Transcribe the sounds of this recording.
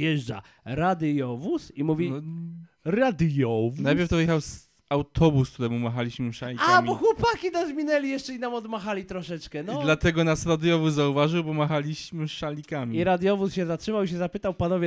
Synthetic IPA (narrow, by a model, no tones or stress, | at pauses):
jɛʐd͡ʐa̰ | ɾad̪jɔvusimuvʲi | ɾad̪jɔvnajpʲɛɾft̪ɔvɨjɛxaws | awt̪ʰɔbusk̪t̪ut̪ɛmumaxalʲiɕmɘʂalʲiaamʲibɔxwɔpakʲid̪azmʲinɛlʲijɛʂt͡ʂɛinamɔd̪maxalʲit̪ɾɔʂɛt͡ʂkɛnɔd̪lat̪ɛɡɔnasɾad̪jɔvuszauvaʐɨwbɔmaxalʲiɕmɘʂalʲikamʲiiɾad̪jɔvusɕɛzatʂɘmawiɕɛzapɘt̪awpanɔvʲjɛ